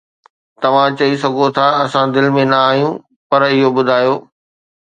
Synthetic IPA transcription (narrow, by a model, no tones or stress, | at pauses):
t̪ɐʋ̤ãt͡ɕɐis̬ɐɡʱot̪ʰaɐsãd̪ɪlɪ̆mẽnɐaːɦijũ | pɐɾɪɦoɓʊd̪ʱaːjoː